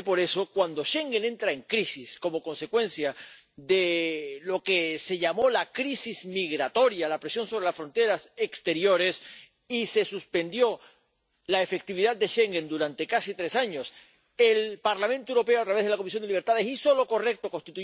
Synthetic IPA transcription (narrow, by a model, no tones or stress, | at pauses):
po̞ɾe̞so̞kwand̪o̞ʃe̞ŋɡenẽ̞nt̪ɾae̞ŋkɾisisko̞mo̞ko̞nse̞kwe̞nsja | ðelo̞ke̞se̞ʝamo̞lakɾisizmiɣɾat̪o̞ɾjalapɾe̞sjo̞nso̞βɾe̞lasfɾo̞nt̪e̞ɾasekst̪e̞ɾjo̞ɾe̞s | ise̞suspẽ̞nd̪jo̞ | lae̞fe̞k̚t̪iβiðad̪̚ːe̞ʃe̞ŋɡe̞nd̪uɾant̪e̞kasit̪ɾe̞saɲo̞s | e̞lpaɾlamẽnt̪oewɾo̞peoat̪ɾaβeðelako̞misjod̪eliβ̞eɾt̪aðesiso̞lo̞ko̞re̞k̚t̪oko̞nst̪it̪u